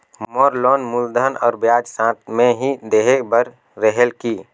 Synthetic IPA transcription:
mɔːɾlɔːnmʊld̪ʱənɔ̰ːɾbjaːd͡ʒsãt̪̚mẽɦid̪eːɦekbəɾː | əɦelkiː

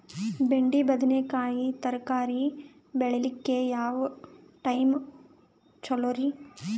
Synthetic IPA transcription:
beɳɖibɐd̪nekaːjit̪ɐɾkaːɾi | beɭelikːejaːʋ | ʈɐjm | t͡ʃɐloːɾi

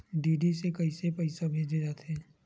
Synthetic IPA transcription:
ɖiːɖisekɐisepɛɪsabʱeːd͡ʒed͡ʒaːt̪ɛː

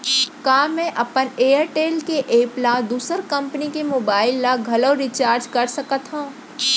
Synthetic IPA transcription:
kaːmɛ̃ʔɐpəneːəɾʈeːlkeʔeːplad̪uːsəɾkɐ̃mpənikemoːbaːɪlːaɡʱɐloːɾit͡ʃaːɾd͡ʒkɐɾsɐkət̪ɦã

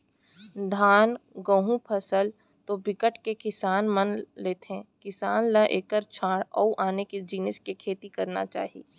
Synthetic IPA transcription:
d̪ʱaːnɡə̃ɦũpʰəsəl | t̪obɪkəʈkekɪsaːnmɐnleːt̪eɦɛ̃kɪsaːnləʔeːkəɾt͡ʃʰaːɽɔ̰ːʔaːneked͡ʒiːnɪskekʰeːt̪ikɐɾna̰t͡ʃa̰ːɦḭː

